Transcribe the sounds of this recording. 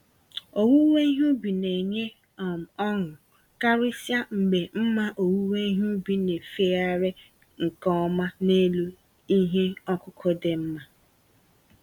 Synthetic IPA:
o˨wu˦we˦i˦ɦu˦bi˨ne˨ɲe˦ | a˨m˨ɔ˦ŋʊ˨ | ka˦ɾɪ˦sja˦ŋ͡m̩˨ɡ͡be˨m̩˦ma˦ʔo˨wu˦we˦i˦ɦu˦bi˦ne˨fe˦a˦ɾe˦ | ŋ̩˨kɔ˦ɔ˦ma˦ne˦lu˦ | i˦ɦe˦ɔ˦kʊ˦kʰɔ˦de˨m̩˦ma˦

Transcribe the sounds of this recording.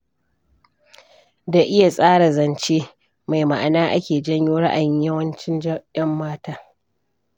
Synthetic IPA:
da˨ʔɪ˦ja˨sʼaː˦ɽa˨zɐ˨nt͡ʃeː˦ | ma˨jma˨ʔa˨naː˦ʔa˦kʲeː˨d͡ʒɐ˦ɲjoː˦ɽa˦ʔa̰˨jɪ˦ɲjɐ˦wɐ˦nt͡ʃɪ˦nd͡ʒjɐ˦mːaː˦taː˦

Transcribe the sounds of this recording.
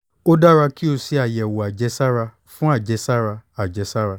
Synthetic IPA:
o˦da˦ɾa˧ki˦o˧si˧a˨jɛ˨wo˨a˨d͡ʒɛ˧sa˦ɾa˧ | fũ˦a˦˨d͡ʒɛ˧sa˦ɾa˧a˨d͡ʒɛ˧sa˦ɾa˧

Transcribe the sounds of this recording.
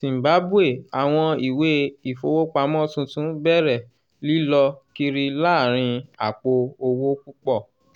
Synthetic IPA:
sĩ˨m̩˨ba˨˦bu˦e˦˨a˨w̃ɔ̃˧i˨we˦i˨fo˨wo˦k͡pa˧˦mɔ̃˦tũ˧tũ˨˦bɛ˦˨ɾɛ˦˨ | li˨˦lɔ˧ki˦ɾi˧la˦˨ɾ̃ĩ˧a˨k͡po˧o˧wo˦ku˦k͡pɔ˦˨

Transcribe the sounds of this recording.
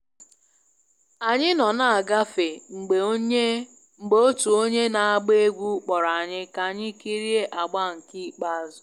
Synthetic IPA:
a˨ɲɪ˦nɔ˨na˨a˨ɡa˦fe˨ŋ͡m̩˨ɡ͡be˨o˦ɲe˦ | ŋ͡m̩˨ɡ͡bo˦o˦tu˨o˦ɲe˦na˨a˨ɡ͡be˦e˦ɡʷu˦k͡pɔ˨ɾa˨a˨ɲɪ˦ka˨ɲɪ˦ki˦ɾi˦e˦ʔa˨ɡ͡ba˦˨ŋ̩˨ki˦k͡pa˦a˦˨zʊ˨

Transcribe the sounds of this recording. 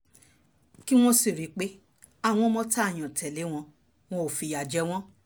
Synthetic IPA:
ki˦w̃ɔ̃˦si˨ɾi˨˦k͡pe˦ | a˦˨w̃ɔ̃˧˦mɔ̃˧tʰa˦˨j̃ɔ̃˨tʰɛ˨le˨˦w̃ɔ̃˧ | w̃ɔ̃˦o˨fi˨˧ja˨d͡ʒɛ˧˦w̃ɔ̃˦

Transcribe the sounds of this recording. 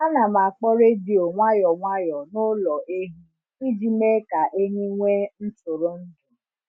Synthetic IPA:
a˦nã˨mã˨k͡pɔ˦ɾe˦di˨o˨ŋʷa˦jɔ˨ŋʷa˦jɔ˨no˦lɔ˨ʔe˦ɦĩ˦ | wi˦d͡ʒi˦me˦ka˨ʔe˦ɲĩ˦ŋʷe˦n̩˦to˨ɾo˦n̩˦dʊ˨

